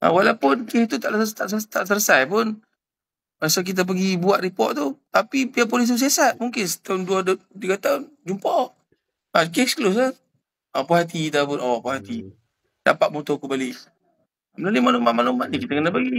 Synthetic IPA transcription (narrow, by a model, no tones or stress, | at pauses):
a̰walapʊnkɛkt̪ut̪aʔt̪aʔst̪aʔsələsajpʊn | masak̬it̪̬ap̬əɡibuaʔɾipɔʔt̪ut̪apipiap̬olist̪us̬asat̪̚muŋkɪnst̪aʊnduadt̪iɡat̪aʊnd͡ʒumpɔʔ | akekskəlʊs̬a | apahat̪̬it̪apʊnawaʔpahat̪i | da̰paʔ̪̚mut̪ɔkəmbali | məlalumalomaʔmalomaʔnikit̪akənapəɡi